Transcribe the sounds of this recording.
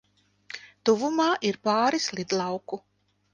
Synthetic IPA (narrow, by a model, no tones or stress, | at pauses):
t̪uvumaːʔiɾpɑːɾislˠid̪lˠɑwku